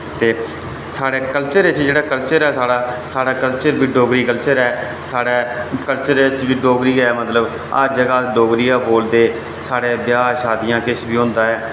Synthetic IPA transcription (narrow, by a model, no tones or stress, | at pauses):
t̪eː | saːɽeːkəlt͡ʃəɾet͡ʃd͡ʒeːɽaːkəlt͡ʃəɾɛːsaːɽaːsaːɽaːkəlt͡ʃəɾbiːɖoːɡɾiːkəlt͡ʃəɾɛː | saːɽɛːkəlt͡ʃəɾt͡ʃbiːɖoːɡɾiːɡɛːmət̪ləb | ə̰ɾd͡ʒəɡaːɖoːɡɾijãːboːld̪eː | saːɽeːbjaːʃaːd̪ijãːkɪʃbiːɦʊ̃nd̪aːɛː